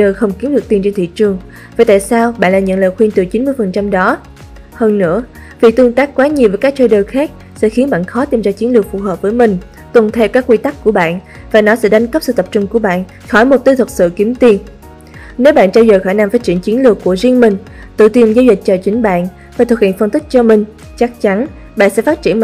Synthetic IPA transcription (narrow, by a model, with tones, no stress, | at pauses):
ɗəː˨˩jxə˧wŋ͡mki˨˦mɗɨ˨˩ək̚t̪i˨˩nt͡ɕe˧nt̪ʰḭ˧˨t͡ɕɨ˨˩əŋ | vaː˨˩t̪a̰ː˧˨jsaː˧wɓa̰ː˧˨nlaː˨˩ɲɨ̰˧˥ŋləː˨˩xwi˧nt̪ɨ˨˩t͡ɕi˨˦nmɨ˧əjfə˨˩nt͡ɕa˧mɗɔ˨˦ | həː˧nːɨ̰˧˥ə | vi˨˩k̚t̪ɨ˧ŋt̪aː˦˥k̚kwaː˨˦ɲi˨˩əwvəː˨˦jkaː˦˥k̚t͡ɕəː˧jɗəː˨˩jxaː˦˥k̚ | sɛ̰˧˥xi˨˦ənɓa̰ː˧˨nxɔ˨˦t̪i˧mzaː˧t͡ɕi˨˦ənlɨ˨˩ək̚fu˨˩ɦəː˨˩p̚vəː˨˦jmï˨˩ŋ̟ | t̪ə˨˩ŋ͡mt̪ʰɛ˧wkaː˦˥kːwi˧t̪a˦˥k̚kːu˧˩əɓa̰ː˧˨n | vaː˨˩nɔ˨˦sɛ̰˧˥ɗa˨˦ŋkə˦˥p̚sɨ̰˧˨t̪ə˨˩p̚t͡ɕʊ˧˩ŋ͡mku˧˩əɓa̰ː˧˨n | xɔ˧˩jmo˨˩t̚t̪i˧t̪ʰwə˨˩t̚sɨ̰˧˨ki˨˦mt̪i˧n | ne˨˦wɓa̰ː˧˨nt͡ɕaː˧jzəː˨˩jxɔ˧˩jna˧˩mfaː˦˥t̚t͡ɕḭ˧˩ənt͡ɕi˨˦nlɨ˨˩əkːu˧˩əzi˧ənmï˨˩ŋ̟ | t̪ɨ̰˧˨t̪i˧˩ənzaː˧wzï˨˩k̟̚t͡ɕəː˨˩t͡ɕï˨˦ŋ̟ɓa̰ː˧˨n | faː˧˨˩t̪ʰwkhḭ˧˨ənfə˧nt̪i˦˥k̚t͡ɕɔ˧mï˨˩ŋ̟ | t͡ɕa˦˥k̚t͡ɕa˨˦n | ɓa̰ː˧˨nsɛ̰˧˥faː˦˥t̚t͡ɕi˧˩ən